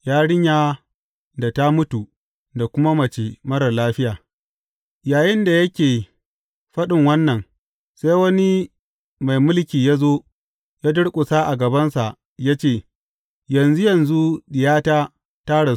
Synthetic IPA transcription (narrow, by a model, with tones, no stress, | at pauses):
jaː˦ɽɪ˦ɲjaː˦ | da˨ta˦mʊ˦tu˨ | da˨kʷʊ˦ma˦mɐ˨t͡ʃe˨mɐ˦ɽɐ˨rlaː˦ɸɪ˦jaː˨ | jaː˨jɪ˦nda˨jɐ˦kʲeː˨ | ɸɐ˦ɗɪ˨ŋwɐ˦nːɐ˨ŋ | sa˦jwɐ˦ni˦ | ma˨jmʊ˦lkʲiː˨ja˦zoː˦ | jaː˦dʊ˦ɽkʷʼʊ˨saː˦ʔa̰˨ɡɐ˨bɐ˦nsa˨ʔ | ja˦t͡ʃeː˦˨ | jɐ˨nzu˦jɐ˨nzu˦ɗɪ˨jaː˦taː˦ | taː˦ɽa˨